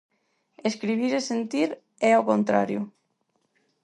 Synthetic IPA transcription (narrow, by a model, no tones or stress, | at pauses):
eskɾiβ̞iɾesent̪iɾ | ɛaokont̪ɾa̰ɾjʊ̰